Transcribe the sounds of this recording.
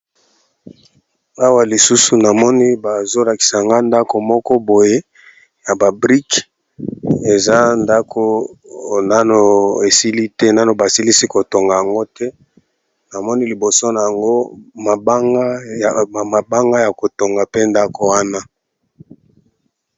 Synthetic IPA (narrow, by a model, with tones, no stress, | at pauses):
a˦wa˦li˨su˦su˨na˨mɔ˦ni˦ba˨zo˦la˨ki̥˨sa˨a˨ŋɡa˦nda˦ko˨mɔ˦kɔ˦bo˨je˦ | ja˨ba˨bʁi˦k | e˨za˦nda˦kʰo˦ | na˦no˨e˨si˦li˦tɛ˦na˦no˨ba˨si˦li˦si˦ko˨to˨ŋɡa˨ja˨ŋɡo˦tʰɛ˦ | na˨mɔ˦ni˦li˨bo˨so˦na˨ja˨ŋɡo˦ma˨ba˦ŋɡa˦˨ | ma˨ba˦ŋɡa˦ja˨ko˨to˨ŋɡa˨pe˦nda˦ko˨wa˦na˦